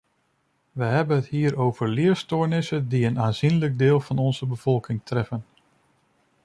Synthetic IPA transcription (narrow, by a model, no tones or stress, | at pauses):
ʋəɦɛbənɦəthiːəɾowv̥əɹlɪːəɹstoːɹnɪsədiənaːnz̥inləɡ̚dɪːlˠvɑnɔnzəbəv̥ɔlˠkɪŋtrɛfən